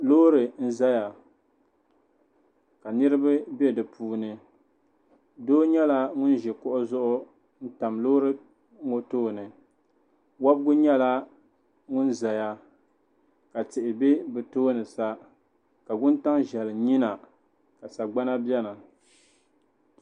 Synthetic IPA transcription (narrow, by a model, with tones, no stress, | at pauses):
loː˦ɾɨ˨n̩˦za˦ja˨ | ka˨nɨ˦ɾɨ˦ba˦be˦dɨ˨pʰuː˦nɨ˨ | doː˦ɲɛ˦la˦ŋʊ˦n˦ʒɛ˨kʊ˦ʔʊ˦zʊ˦ʔʊ˦ | n̩˦ta˨mloː˦ɾɨ˦ | ŋo˦toː˦nɨ˨ | wa˦bɡʊ˦ɲɛ˦la˦ | ŋʊ˦nza˨ja˨ | ka˨tɪ˨ʔɪ˨be˦bɨ˨toː˦nɨ˨sa˦ | ka˨ɡʊ˦n˦ta˦ŋʒɛ˨lɨ˨ɲi˦na˨ | ka˨sa˨ɡ͡ba˦na˦bɛ˦nɨ˨